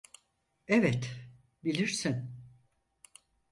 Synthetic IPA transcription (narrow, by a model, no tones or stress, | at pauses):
evɛt̪ | bilʲiɾsin